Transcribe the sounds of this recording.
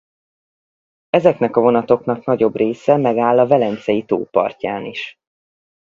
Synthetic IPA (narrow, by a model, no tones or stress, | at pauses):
ɛzɛknɛkɒvo̞nɒt̪o̞knɒknɒɟo̞breːsɛmɛɡaːlːɒvɛlɛnt̪sɛjit̪o̰ːpɒ̰rcaːniʃ